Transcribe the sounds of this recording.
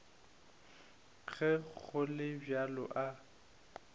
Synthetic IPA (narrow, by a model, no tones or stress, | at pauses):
ɣɛk͡xʊlɪbjalɔ̰ʔa